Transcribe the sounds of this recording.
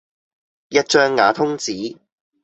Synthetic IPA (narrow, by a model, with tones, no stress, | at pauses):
jɐ˥t̚t͡ʃœː˥ŋːaː˨˥t̪ʰʊ˥ŋt͡siː˨˥